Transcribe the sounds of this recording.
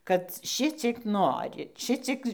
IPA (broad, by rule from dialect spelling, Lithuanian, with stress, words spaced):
kɐt ˈʃʲɪt͡sʲiɛk ˈnoːrʲɪ ˈʃʲɪt͡sʲiɛk